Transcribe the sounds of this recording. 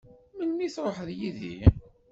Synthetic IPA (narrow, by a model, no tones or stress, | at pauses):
mənːiθɾˤoħəðjiðḭ